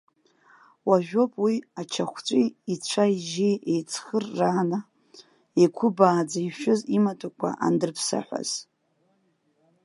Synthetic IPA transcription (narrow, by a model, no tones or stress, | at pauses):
waʒᶣo̞pʼwiat͡ʃʰaχʷt͡ʃʷʼiit͡ɕʷʰaiʒejejt͡sʰχərːaːna | ekʷʰʊbaːd͡zaiʃᶣʊzimatʰʼakʷʰa̰ʔa̰ndɨrpʰsa̰ħʷa̰z̥